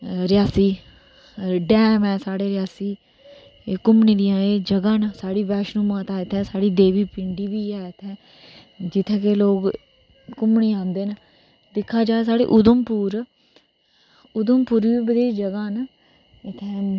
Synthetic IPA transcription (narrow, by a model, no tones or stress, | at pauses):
ɾɪjaːsiː | ɖɛ̃ːmɛ̃ːsaːɽeːɾɪjaːsiː | kʊmɳĩːd̪ɪjãːeːd͡ʒəɡãːnsaːɽiːʋɛːʃnũːmãːt̪aːɪt̪ʰɛ̃ːsaːɽiːd̪eːʋiːpɪɳɖiːʋiːɛːt̪ʰɛ̃ː | d͡ʒɪt̪ʰːẽːkeloːɡ | kʊmɳiːãːnd̪eːnə | d̪ɪkʰːaːd͡ʒaːeːs̬aːɽḛːʔʊd̪əmpuːɾ | ʊd̪əmpuːɾiːiːbəd̪eːd͡ʒəɡãːnə | ɪt̪ʰɛ̃ː